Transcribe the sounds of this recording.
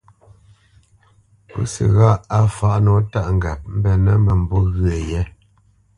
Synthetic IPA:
po̰˦sə̰˨ɣa˦˨a˦fa˨˦ʔnɔ˨˦ta˦ʔŋ˨ɡa˨p̚m̩˦bɛ˨nə˦mə˨m̩˨bɔ˦ɣɰə˨jɛ˦

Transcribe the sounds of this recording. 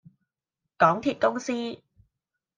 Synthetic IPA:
kɔː˨˥ŋt̪ʰiː˧t̚kʊ˥ŋsiː˥

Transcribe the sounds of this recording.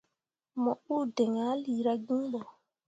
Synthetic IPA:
mɔ˨u˦dɛ˨ŋa˨˦li˨ɾa˦ɡi˦ɓɔ˨

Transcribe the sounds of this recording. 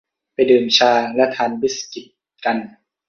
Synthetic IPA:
pa˧˨jdɯː˨˩mt͡ɕʰaː˧˩lɛ˦˥ʔt̪ʰaː˧˩˨nbi˦˥ski˨˧˩t̪̚ | ka˧n

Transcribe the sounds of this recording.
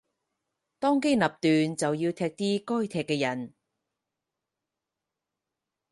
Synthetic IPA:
t̪ɔː˥ŋke˥jnɐ˨p̚t̪yː˨nt͡sɐ˨wjiː˧wt̪ʰɛː˧k̚t̪iː˥kɔː˥jt̪ʰɛː˨˩kːɛː˧jɐ˨˩n

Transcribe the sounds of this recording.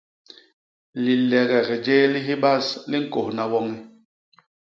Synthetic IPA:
li˨lɛ˨ɣɛ˨ɣɛ˨d͡ʒe˦li˦ɦi˦ba˦˨sli˦ŋ̩˨ko˨hna˨wɔ˦ŋi˦

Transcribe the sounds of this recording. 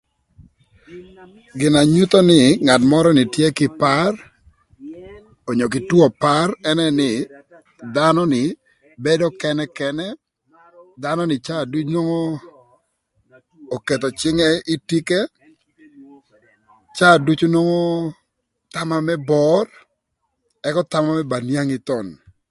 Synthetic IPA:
ɡɪ˨na˨ɲu˦t̪o˦nɪ˨ŋa˨tmɔ˦ɾɔ˦nɪ˨tje˦kɪ˨pa˦r | o˨ɲo˨k̬ɪ˨twɔ˨pa˦rɛ˦nɛ˦nɪ˨ | d̪a˦nɔ˦nɪ˨ | be˦dɔ˦kɛ˦nɛ˦kɛ˦nɛ˦ | d̪a˦nɔ˦nɪ˨t͡ʃa˦˨du˦t͡ʃno˦ŋɔ˦˨ | ke˨t̪ɔ˨t͡ʃɪ˦ŋɛ˦i˦ti˦ke˦ | t͡ʃa˦˨du˦t͡ʃu˦nɔ˦ŋɔ˦ | t̪a˦ma˦mɛ˦bɔ˦r | ɛ˦kɔ˦t̪a˦ma˦mɛ˦ba˨nja˦ŋi˦t̪ɔ˨n

